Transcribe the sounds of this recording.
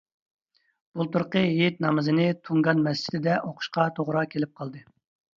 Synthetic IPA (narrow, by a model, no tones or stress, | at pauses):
b̥ulˠt̪uɾqəjet̪̚nɑmɨzɨnɨt̪ʰuŋɡɑnmɛst͡ʃʰɪ̥t̪ɪd̪ɛʔoqʰʊ̥ʃqɑt̪ʰoʁɾɑkʲʰelɪp̚qʰɑlˠd̪ɨ